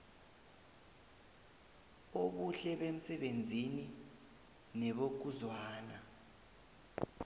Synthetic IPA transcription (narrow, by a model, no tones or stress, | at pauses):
oɓuɬɛɓem̩sɛɓend͡zʱini | nɛɓok̬uzwaːna